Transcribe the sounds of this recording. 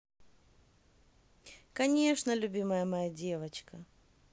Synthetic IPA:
kɐnʲe̞ʂnəlʲʊbʲiməjəmɐjadʲevət͡ɕkə

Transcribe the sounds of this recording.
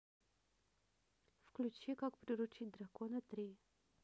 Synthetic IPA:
fklʲut͡ʃikakpɾʲɪɾut͡ʃit̚ʲd̪rakonət̪ɾʲi

